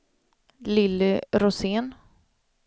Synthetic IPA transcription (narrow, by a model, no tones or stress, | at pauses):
lɪlːɪɾʊseːn